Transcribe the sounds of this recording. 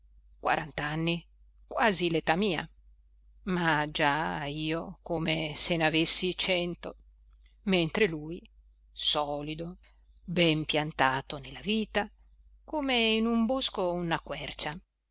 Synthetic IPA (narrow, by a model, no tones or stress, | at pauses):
kwa̰ɾʔant̪anːi | kwaːzilet̪amiːa̰ | mad͡ʒaiːokomesenavesːit͡ʃɛnt̪o̰ | ment̪ɾeluj | sɔːlid̪o | bɛmpjant̪aːt̪onelːaviːt̪a | komeinumboskounakwɛrt͡ʃa